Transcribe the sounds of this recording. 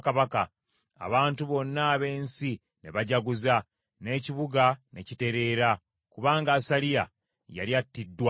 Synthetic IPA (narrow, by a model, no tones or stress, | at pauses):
kaβaka̰ː | βaːntuβo̞nːaːβe̞ːnsi | ne̞̰βaɟaɡuza | ne̞ːciβuɡane̞̰cite̞ɾe̞ːɾa | kuβaːŋɡaːsalija | ja̰ljatːidːwa